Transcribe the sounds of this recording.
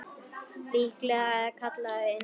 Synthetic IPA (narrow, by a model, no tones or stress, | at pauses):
ɾiːklɛɣaɛkʰat̪laɪ